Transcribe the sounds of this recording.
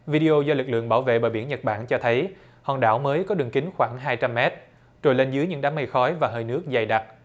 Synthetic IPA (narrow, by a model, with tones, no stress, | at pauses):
vi˧ɗi˧ʔo˧zɔː˧lɨ˨˩k̚lɨ̰˧˨əŋɓaː˧˩wvḛ˧˨ɓəː˧˩ɓi˧˩ənɲə˨˩t̚ɓa̰ː˧˩nt͡ɕɔ˧t̪ʰə˨˦j | hɔ̰˧˨˩nɗa̰ː˧˩wməː˨˦jkɔ˨˦ɗɨ˨˩əŋkï˨˦ŋ̟xwaː˧˩ŋɦaː˧jt͡ɕa˧mːɛ˦˥t̚ | t͡ɕo˨˩jle˧nzɨ˨˦jɲɨ̰˧˥ŋɗaː˨˦mːə˧jxɔ˨˦jvaː˨˩ɦəː˧jnɨ˦˥ək̚za˨˩jɗa˨˩t̚